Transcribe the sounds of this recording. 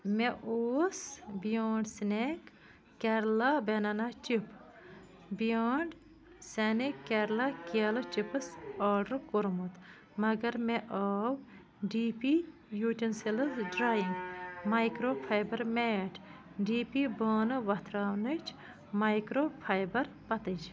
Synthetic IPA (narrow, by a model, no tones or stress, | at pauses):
meʔoːsbijaːɳɖsnekː | eɾlabenɐnat͡ʃip | bijaːɳɖ | senikeɾlakɐlɨt͡ʃipɨsaːɖɾkoɾmut̪ | mɐɡɐɾmeʔaːw | ɖiːpi | juːʈenselɨsɖɾaːjiŋɡmajkɾopʰɐjbɐɾmeːʈʰ | ɖiːpibɐːnɨʋɐt̪ʰɾaːwnɨt͡ʃʰ | mɐjkɾoːpʰajbɐɾ | pɐt̪ɨd͡ʒ